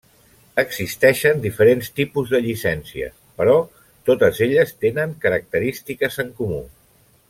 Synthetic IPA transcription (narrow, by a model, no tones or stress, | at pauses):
əɡzist̪ɛʃənd̪ifəɾenst̪ipuzðəʎisɛnsiə̰ | pəɾɔ | t̪ot̪əzeʎəst̪enəŋkəɾək̚t̪əɾist̪ikəzəŋkumṵ